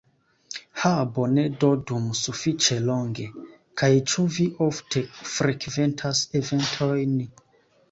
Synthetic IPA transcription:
habonedodumsufit͡ʃeloŋɡe̞ | kʰajt͡ʃuviʔoftʰefɾekventʰaseventʰojn

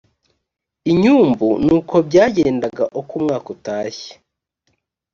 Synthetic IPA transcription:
iɲuːmbunuːkʰo̞bɟaːɟe̞ːndaɡa̰ʔokuːmŋaːkotaːçe̥

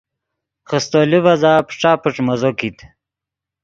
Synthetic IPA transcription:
χəst̪olivɐzaːpʈ͡ʂaːpuʈ͡ʂmɐzokit̪

